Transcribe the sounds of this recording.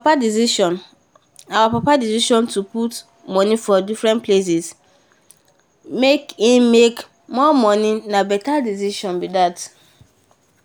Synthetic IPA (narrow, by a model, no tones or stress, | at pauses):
adisiʃɔ̃n | awapapadisiʃɔ̃ntuput | mɔ̃nifɔdifɹɛ̃nples̬is | mekĩmmek | mɔmɔ̃ninabɛtadis̬iʃɔ̃nbidat